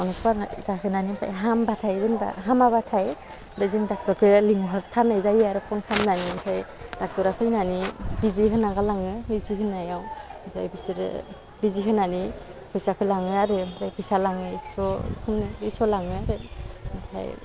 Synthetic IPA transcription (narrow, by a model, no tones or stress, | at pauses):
anupazahɯnanimpʰa̰jɦambatʰajdɯnba̰ɦamaβatʰaj | dɯjzɯŋdak̚tɔɾkʰɯliŋɦɔɾtʰanɯjzajaɾɯpʰɔŋkʰamnanimtʰajd̥ak̚tɔɾakʰɯjnanibiziɦɯnaɡalaŋɯbizihɯnːajawmpʰajbisiɾɯ̰ | biziɦɯnanipʰɯjsakʰɯjlaŋɯaɾɯmpʰajpʰɯjsalaŋɯek̚sɔkʰɯnɯisɔlaŋɯaɾɯmtʰa̰j